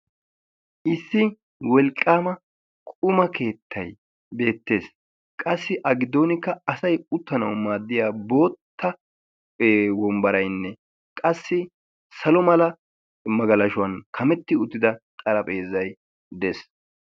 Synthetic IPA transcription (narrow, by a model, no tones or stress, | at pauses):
ʔɪsːɪ | wɔlkʼːaːmɐ | kʼʊmɐke̞ːt̪ʰːɐj | be̞ːt̪ːe̞ːs | kʼɐsːɪʔɐɡɪd̪o̞ːnɪkːɐɐsɐjʊt̪ːɐnɐwmaːd̪ːɪjaːbo̞ːt̪ʰːɐ | wɔmbɐɾɐjnːɛ | kʼɐsːɪ | sɐlɔmɐlɐ | mɐɡɐlɐʃʊwɐnkʰɐmɛt̪ːɪʊt̪ːɪd̪ɐt̪ʼɐlɐpʼe̞ːzɐj | d̪ɛs